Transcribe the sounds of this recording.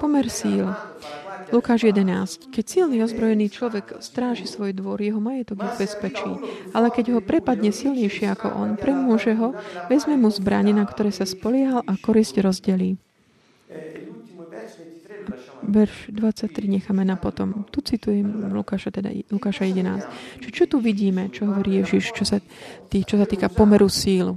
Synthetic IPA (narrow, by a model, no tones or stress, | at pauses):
pɔmɛɾsiːl | lukaːʒjɛd̪ɛnaːsckɛcsilniɔzbɾɔjɛniːt͡ʃlɔʋɛɡst̪ɾaːʒisʋɔjd̪ʋɔɾjɛɦɔmajɛt̪ɔɡɛbɛspɛt͡ʃḭːalɛkɛɟɦɔpɾɛpad̪ɲɛsilɲɛjʃɪɛakɔ̰ʔɔ̰npɾɛmʊɔʒɛɦɔʋɛzmɛmuzbɾa̰ɲɛnakt̪ɔɾɛːsaspɔlɪɛɦalʔakɔɾizɟɾɔzɟɛliː | aʋɛɾʒ̥d̪ʋat͡sac̚t̪ɾiɲɛxaːmɛnapɔt̪ɔmt̪ut͡sit̪ujɛmlukaːʃat̪ɛd̪a̰lukaːʃajɛd̪ɛna̰ːst͡ʃt͡ʃɔt̪uʋiɟiːmɛt͡ʃɔɦɔʋɔɾiːjɛʒiʃt͡ʃɔsa | t̪it͡ʃɔsat̪iːkapɔmɛɾusiːlu